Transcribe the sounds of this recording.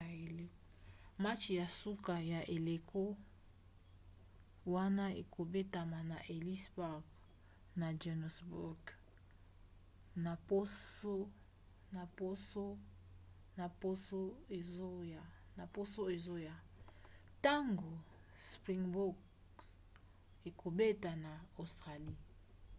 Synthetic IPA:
l | ma˦t͡ʃja˨su˦ka˨ja˨ʔe˨le˨kʰo˦ | wa˦na˦ḛ˨kʰo˨be˦ta˨ma˨na˨ʔe˨li˦sba˦ɡ | na˨d͡ʒɛ˨n˨sbu˦ɡ | na˨po˦o˦ | na˨po˦so˦ | na˨po˦so˦e˨o˦ja˨ | na˨po˦so˦e˨zo˦ja˨ | ta˦ŋɡo˨ | spʁi˨ŋbu˦ɡ | e˨kʰo˨be˦ta˨na˨o˨stʁa˨li˦

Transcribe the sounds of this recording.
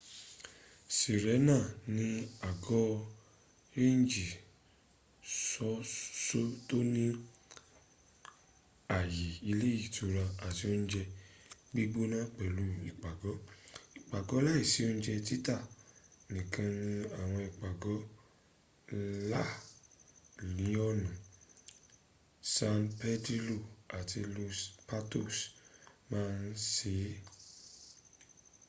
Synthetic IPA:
si˨ɾɛ˨˦nãː˦˨nĩ˧a˨ɡɔ˦ | e˦n̩˦d͡ʒi˨ | sɔ˨˦so˦to˦nĩ˦ | a˨ji˨i˧le˦i˦˨to˧ɾa˧a˨ti˧o˦n̩˦d͡ʒɛ˧bi˦bo˦nã˦k͡pɛ˨lu˨˦ḭ˨k͡pa˨ɡɔ˨˦i˨k͡pa˨ɡɔ˨˦la˦i˦˨si˨˦o˦ñ̩˦d͡ʒɛ˧t̬i˦ta˦˨nĩ˨kʰã˧nĩ˧a˦˨w̃ɔ̃˧i˨k͡pa˨ɡɔ˨˦ | la˦˨ | nĩ˨˦ɔ˦˨nã˨ | sã˧npɛ˦di˦lo˦˨a˨ti˧lu˧spa˦to˦˨smãː˦˧n̩˦se˨˦

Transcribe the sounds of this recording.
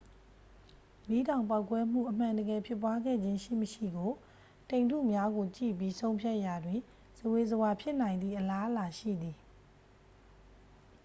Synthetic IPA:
li˦˨dã˨ʊ̃mpa˦ʊkwɛ˦m̥ṵ˦˨ʔəm̥ã˨ndəɡɛ˨pʰjɪ˦pːwa˦ɡɛ̰˦˨d͡ʑɪ̃˦ʃḭ˦˨məʃḭ˦˨ɡo˨ | tẽ˨ntṵ˦˨mja˦ɡo˨t͡ɕḭ˦˨pi˦sʰõ˦ʊ̃mpʰja˦ʔja˨dwɪ̃˨ | zəwe˨zəwa˨pʰjɪ˦ʔn̥ã˨ɪ̃nd̪ðḭ˦˨ʔəla˦ʔəla˨ʃḭ˦˨d̪ði˨

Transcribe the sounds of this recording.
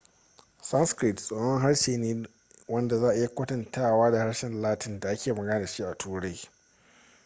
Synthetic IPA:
sɐ˦nskɾɪ˨tsʼoː˨˦hɔ˦ŋɦa˦ɽʃeː˨neː˦ | wɐ˦nda˨zaː˦ʔa˨ʔja˨kʷɐ˦tɐ˨ntʰaː˦waː˦da˨ha˦ɽʃɛ˨nlaː˦tɪ˨nda˨ʔa˦kʲʰeː˨mɐ˨ɡɐ˦naː˨ʃi˦ʔa˨tuː˦ɽa˦j

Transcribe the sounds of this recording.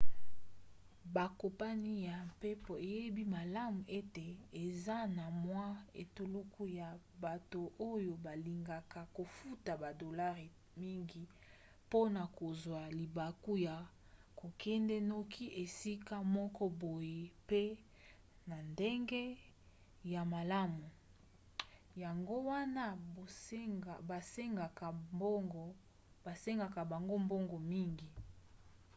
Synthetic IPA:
ba˨ko˨pa˦ni˦ja˨mpe˦po˨e˨je˦bi˦ma˨la˦mu˨ʔe˦te˨e˨za˦na˨mwa˦ḛ˨to˨lu˦kʰu˦ja˨ | ba˨to˨ʔo˦jo˨ba˨li˨ŋɡa˨ka˨ko˨fu˦ta˨ba˨do˨la˦ʁe˨ | mi˦ŋɡi˨ | po˦na˨ko˨zwa˨li˨ba˨ku˦ja˨ | ko˨kʰɛ˦ndɛ˦no˦kʰi˦ʔe˨si˦ka˦mɔ˦kɔ˦bo˨je˨pe˦ | na˨nde˦ŋɡe˦ | ja˨ma˨la˦mu˨ | ja˨ŋɡo˦wa˦na˦˨˦ | a˨ba˨se˦ŋɡa˨kɡ | ba˨se˦ŋɡa˨ka˨ba˨ŋɡo˦mbo˦ŋɡo˨mi˦ŋɡi˨

